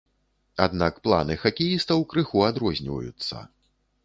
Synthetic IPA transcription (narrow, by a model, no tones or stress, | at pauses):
ad̪nakplˠa̰nɨxakʲijist̪ɐwkɾɨxuad̪ɾɔzʲnʲivɐ̰jut̪sːɐ̰